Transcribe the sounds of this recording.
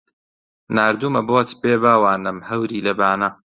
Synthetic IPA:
naːɾd̪uːmɐboːt̪ʰbeːbaːwaːnɨmhɐwɾiːlɐbaːnɐ

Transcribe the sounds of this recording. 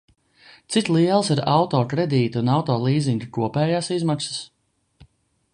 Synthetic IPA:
t̪sit̪lˠiɛlˠsiɾa̰wt̪ɔːkɾɛd̪iːt̪uunawt̪ɔːlˠiːziŋɡakuɔpɛːjaːsizmaksə̥s

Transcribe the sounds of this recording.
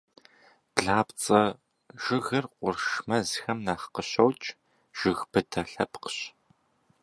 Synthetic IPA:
b̥ɮaːpt͡sʼɐ | ʒ̥ɪɣɐrqʷʊrʃmɐzxɐmnaːχqəɕɐwt͡ʃʼ | ʒ̥ɪɣb̥ɨtʰɐɬɐpqəɕ

